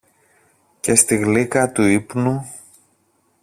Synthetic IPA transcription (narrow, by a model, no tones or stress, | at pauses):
ce̞st̪iɣlikɐt̪uipnu